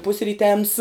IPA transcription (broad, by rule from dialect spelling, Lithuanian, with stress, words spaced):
pʊsʲrʲiːˈtʲɛms